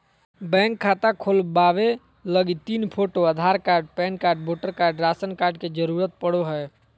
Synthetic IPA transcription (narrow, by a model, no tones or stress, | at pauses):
bɛ̃ːŋkʰːaːt̪akʰolbaːʋe | ləɡit̪iːnpʰoːʈoəd̪ʱaːɾkaːɾɖ̚pɛ̃ːnkaːɾɖ̚boːʈəɾkaːɾɖɾaːsənkaːɾɖked͡ʒəɾuːɾət̪̚pəɽoɦɛː